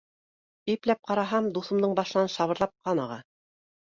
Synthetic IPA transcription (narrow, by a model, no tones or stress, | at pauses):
iplæp̚qɑɾɑɦɑmd̪uθɤ̆md̪ɤɴbɑʃɤ̆nɑnʃɑβɤ̆ɾlˠɑp̚qɑnɑʁɑ